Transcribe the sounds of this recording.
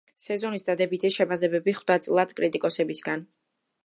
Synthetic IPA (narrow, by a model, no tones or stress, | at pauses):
sɛzɔnisd̪ad̪ɛbit̪ʰiʃɛpʰasɛbɛbiχvd̪at̪sʼlˠat̪kʼɾit̪ʼikʼɔsɛbisɡan